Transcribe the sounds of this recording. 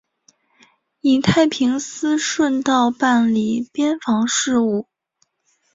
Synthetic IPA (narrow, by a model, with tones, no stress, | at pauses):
i˨˩t̪ʰa˥˩ɪpʰi˧˥ŋsɹ̩˥ʂwə˥˧nt̪ɑ˥˧ʊpa˥˩nli˨˩pjɛ˥nfɑ˧˥ŋʂɻ̩˥˧u˥˩